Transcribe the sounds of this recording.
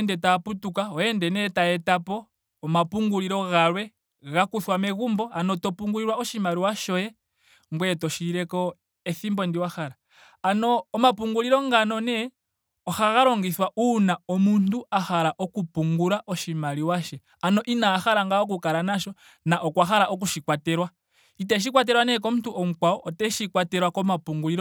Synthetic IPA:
ndɛtaputukaɔjɛndɛnɛtaɛtapɔː | mapuŋɡuliɾɔɣalwɛ | ɣakuθwamɛɣumbɔanɔtɔpuŋɡuliɾwaɔʃimaɾiwaʃɔjɛ | ŋɡwɛtɔʃiɾɛkɔ | ɛθimbɔndiwaxaɾaː | nɔːmapuŋɡuliɾɔŋɡanɔnɛ | ɔxaɣaɾɔŋɡiswaʔunaɔmuntuaxaɾaʔɔkupuŋɡuɾaʔɔʃimaɾiwaʃɛ | anɔʔinaːxaɾaŋɡaɔk̬ukaɾanaʃɔ | naʔɔkwaxaɾaʔɔk̬uʃikwatɛɾwa | it̬ɛʃ̬ikwat̬ɛɾwanɛk̬ɔmutuʔɔm̩kwaɔʔɔtɛʃikwatɛɾwakɔmapuŋɡuliɾɔ

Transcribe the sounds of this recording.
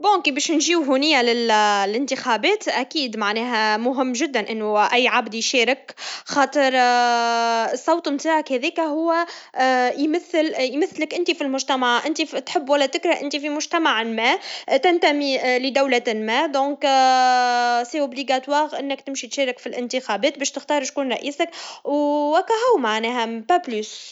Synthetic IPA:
bõkibɛːʃnʒiːwɦunɪjːalɪllɪnt̪ixabɛːt̪ʔækiːd̪maʕnɛːɦæmʊɦɪmːʒɪd̪ːænʔɪnːuʔæjːʕabd̪jʃɛːɾɪkxɑːt̪ˤəɾ | sˤːɑwt̪ˤmt̪aːʕəkhɛðɛːkæɦʊwːæ | jmæθːəljmæθːləkʔɪnt̪ifilmʊʒt̪æmaʕʔɪnt̪it̪ħɪbːwælːæt̪ɪkɾɑʔɪnt̪ifimʊʒt̪æmaʕlmæːt̪ænt̪æmiləd̪awlæmæːd̪õːk | seʔʊbliɡat̪wɑːɣʔɪnːɪkt̪ɪmʃit̪ʃɛːɾɪkfilʔɪnt̪əxæbɛːt̪̚bɛːʃt̪ɪxt̪ɑːɾˤʃkuːnɾˤɑʔiːsakwwækːæɦʊwmaʕnɛːɦæpæblys

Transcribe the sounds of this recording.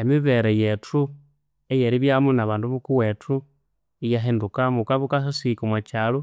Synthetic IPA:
emiβeɾejetʰu | ejeɾiβjamunaβaːnduβukuwetʰu | ijaɦendukamukaβukasasikomwat͡ʃalo

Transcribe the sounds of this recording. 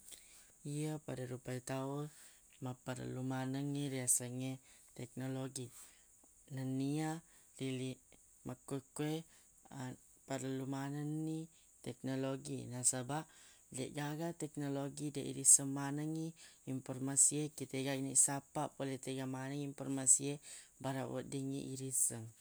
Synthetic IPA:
iapadaɾupait̪aun | mapaɾə̰lumanəŋːiɾiasəŋet̪ɛk̚noloɡi | nənːia | lili | mʔakekwe | a | paɾəlumanənːi | t̪ɛk̚noloɡinasaba | lḛʔɡaɡat̪ɛk̚noloɡideʔḭɾisəŋmanəŋiimpormasiekit̪eɡainisapapolet̪eɡamanəŋimpɔrmasiebaɾa̰wo̰diŋḭʔiɾisəŋ

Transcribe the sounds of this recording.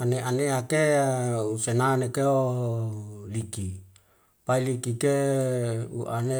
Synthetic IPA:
aneʔaneakeusenanekeo | liki | pailikike | ṵʔane

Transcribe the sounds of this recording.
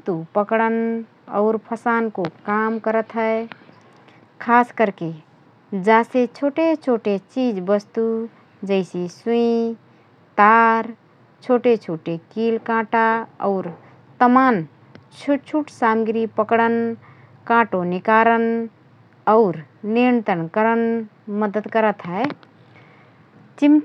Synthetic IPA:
t̪upəkɽən | ɔ̰ʊɾpʰəsankokamkəɾət̪ɦə | kʰaskəɾke | d͡ʒaset͡ʃʰoʈet͡ʃʰoʈet͡ʃid͡ʒbəst̪u | d͡ʒəɪsisuĩ | t̪aɾ | t͡ʃʰoʈet͡ʃʰoʈekilkãʈaɔʊɾ | t̪əman | t͡ʃʰut͡ʃʰuʈsamɡɾipəkɽən | kãʈonikaɾən | ɔʊɾ | niɾnt̪ənkəɾən | məd̪əd̪kəɾət̪ɦae | t͡ʃim

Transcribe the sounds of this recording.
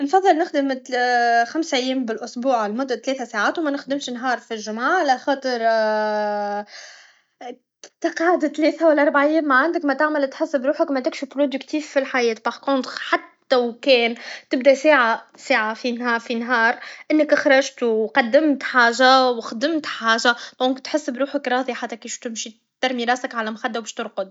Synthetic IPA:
nfɑðˤːɨlnɪxd̪əm | xamsʔɪjːɛːmbɪlʔʊsbuːʕlmʊd̪ˤːat̪lɛːθasaːʕaːt̪wmɛnɪxd̪ɪmʃnɦɑːɾˤfilʒʊmʕaʕalæxɑːt̪ˤəɾ | t̪ɑqɑʕd̪t̪lɛːθawælːʔɑɾˤbaʕʔajːɛːmːaʕand̪əkmɛt̪aʕmælt̪ħɪsːɪbɾuːħəkmɛt̪ɪkʃupɾod̪əkt̪iːfːilħajɛːt̪baʕkʊnt̪ħat̪ːæwkɛːnt̪ɪb̚d̪æsaːʕasaːʕafinhɑːfinɦɑːɾˤʔɪnːəkɪxɾˤɑʒt̪wqɑd̪ːɪmt̪ħaːʒawxd̪ɪmt̪ħaːʒad̪̥ɔ̃ːŋkt̪ħɪsːbɾuːħəkɾˤɑːðˤiħat̪ːækiːʃt̪ɪmʃi | t̪ɑɾˤmiɾˤɑːsɪkʕalæmxad̪ːæwbɛʃt̪ʊɾqʊd̪̚

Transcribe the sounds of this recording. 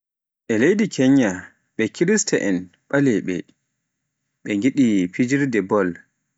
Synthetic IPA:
ʔɛlejdikʰɛɲːa | ɓɛkʰiɾistɛʔɛn | ɓalɛɓɛ̰ | ɓɛŋɡiɗipid͡ʒiɾdɛbɔl

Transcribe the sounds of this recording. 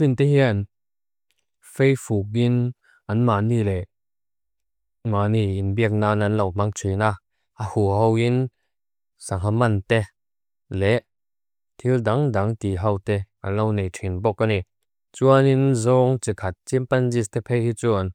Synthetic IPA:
sint̪ɛɦian | fejfuk̬̚in | anmaːnilɛ | maːniinbiək̚naːnanlawmaŋt͡sʰina | ahuɦowin | saŋamant̪ɛ | lɛʔ | t̪ʰildaŋdaŋt̪iɦawt̪ɛ | alownejtʰinbɔkːani | t͡suaninzɔːŋt͡sikʰat̚t͡simpanzist̪ɛpʰejhit͡suan

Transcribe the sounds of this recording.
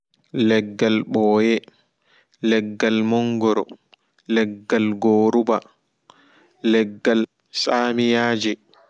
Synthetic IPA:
lɛɡːalɓɔːjɛ | lɛɡːalmɔŋɡɔɾɔ̰ | lɛɡːalɡoːɾuba | lɛɡːal | saːmijaːd͡ʒɛ

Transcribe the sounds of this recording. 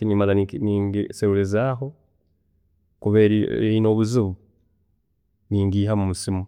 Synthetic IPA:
inimalaniniːŋɡiseɾulezaːɦo̞ | kuβeɾieino̞ːβuziβu | niːŋɡiːhamumusimu

